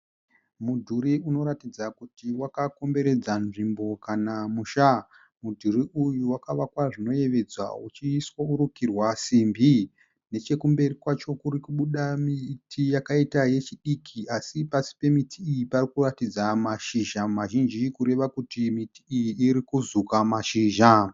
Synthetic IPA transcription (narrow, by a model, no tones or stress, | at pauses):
mudʱuɾiuno̞ɾatid͡zakutiwakako̞mbe̞ɾe̞d͡zanʐimbo̞kanamuʃa | mudʱuriʔujuwakaʋakwaʐino̞je̞ʋe̞d͡zwa̰ut͡ʃiːswauɾukirwasimbi | ne̞t͡ʃe̞kumbe̞rikwat͡ʃo̞kuɾikuɓuɗamitʰijakaitaje̞t͡ʃiɗikʰiʔasipasi̥pe̞mitʰiːjiparikuratid͡zamaʃiʒamaʒind͡ʒikuɾe̞ʋakutimiti̥ːjiːɾikuzukamaʃiːʒa